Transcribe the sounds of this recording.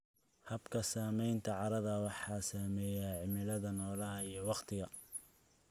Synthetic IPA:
hɐbkʰɐsaːmɛjnt̪ʰɐʕɑɾɐðɐwɑħɑːsaːmɛːjaʕɪmɪlɐðɐnɔːlɐɦɐijɞwɑqt̪ʰɪɣɐ

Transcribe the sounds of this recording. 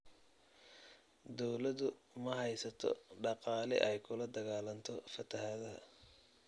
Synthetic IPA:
d̪ɔwlɐðʊ | mɐɦɛjsɐt̪ʰɔ̰ɖɑqɑːlɪ̰ʔɛjkʰʊlɐd̪ɐɣaːlɐnt̪ʰɔfɐt̪ʰɐɦɐðɐɦɐ̰

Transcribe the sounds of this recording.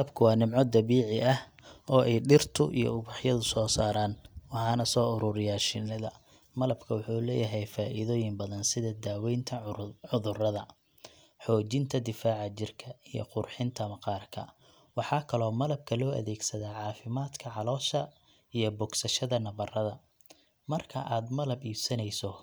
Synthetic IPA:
ɐbkʰʊwɑːnɪmʕɔd̪ɐβiːʕɪʔɐh | ɔːʔɛjɖɪrt̪ʰʊʔḭjɔ̰ʊβɑħjɐðʊsɔːsaːɾaːnwɑħɑːnɐsɔːʊɾʊɾɪjaːʃɪnɐðɐ̰ | mɐlɐbkʰɐwʊħuːlɛːjɐɦɛjfaːʔiðɔːjɪmbɐðɐnsɪðɐd̪aːwɛjnt̪ʰɐʊðʊrɐðɐ | ħɔːt͡ʃɪnt̪ʰɐd̪ɪfaːʕɑt͡ʃɪrkʰɐijɔ̰qʊrħɪnt̪ʰɐmɐqɑːrkʰɐ̰ | wɑħɑːkʰɐlɔːmɐlɐb̚kʰɐlɔːʔɐ̰ðɛːɡsɐðaːʕɑːfɪmaːd̪kʰɐʕɑlɔːʃɐ | ijɞbɔɡsɐʃɐðɐnɐβɐrɐðɐ | mɐrkʰɐʔaːd̪mɐlɐbiːbsɐnɛjsɔ

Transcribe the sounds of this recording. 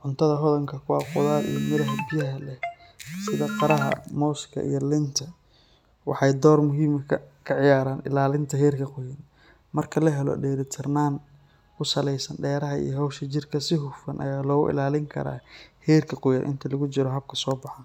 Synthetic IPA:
ʕʊnt̪ʰɐðɐɦɔðɐŋkʰɐkʰʊwaːqʊðaːlḭjɔmɪɾɐɦɐbɪjɐɦɐlɛsɪðɐqɑɾɐɦɐ̰mɔːskʰɐ̰ʔḭjɔlɪnt̪ʰɐ | wɑ̰ħɑjd̪ɔːrmʊɦiːmʰkʰɐʕɪjaːɾaːnʔɪ̰laːlɪnt̪ʰɐɦɛːrkʰɐqʊjɐn | mɐrkʰɐlɐɦɛlɔ̰ɖɛːɾɪt̪ʰɪrnaːnʰ | ʊsɐlɛjsɐnɖɛːɾɐɦɐḭjɔɦɐwʃɐt͡ʃɪrkʰɐsɪɦʊfɐnʔɐ̰jaːlɔːɣʊ̰ʔɪ̰laːlɪŋkʰɐ̰ɾa̰ːhɛːrkʰɐqʊjɐnʔɪ̰nt̪ʰɐlɐɣʊt͡ʃɪɾɔɦɐb̚kʰɐsɔːbɑħan

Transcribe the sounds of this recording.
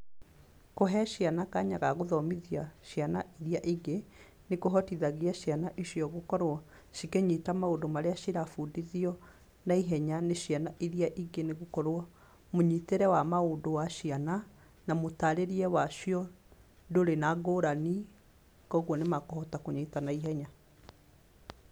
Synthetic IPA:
koɦɛʃjanakaɲaɣaɣoðɔmiðiaʃjanaiɾiaʔiɡe | nekoɦɔtiðaɣiaʃianaʔiʃijɔɣokɔɾwɔ | ʃikeɲitamaodomaɾeaʃiɾafudiðiɔ | naiɦɛɲaneʃjanaʔiɾiaʔiɡeneɣokɔɾwɔ | moɲiteɾɛwamaodowaʃiana | namotaɾeɾiɛwaʃiɔ | doɾenaɡoɾani | kɔɣwɔnemakohɔtakoɲitanaiɦɛɲa

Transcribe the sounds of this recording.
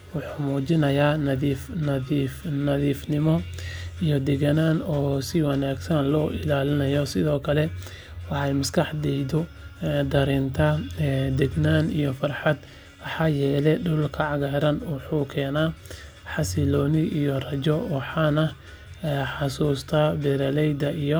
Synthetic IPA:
wʊħuʊːmuːt͡ʃɪnɐjaːnɐðifnɐifnɐðiːfnɪmɔijɔd̪ɛɡɐnaːnɔːsɪwɑnaːɡsɐnlɔːʔɪlaːlɪnɐjɔsɪðɔːkʰɐlɛ | wɑħɑjmɐskʰɑħd̪ɛjd̪ɔ | d̪ɐɾint̪ʰɐd̪ɛɡnaːnijɔfɐrħɑd̪ | wɑħɑːjɛːlɛɖʊlkʰɐʕɑɣaɾɐnwʊħuːkʰɛːnaː | ħɑsɪlɔːnɪʔijɔrɐd͡ʒɔwɑħɑːnɐ | ɛħɑsuːst̪ʰabɛɾɐlɛjd̪ɐʔijɔ

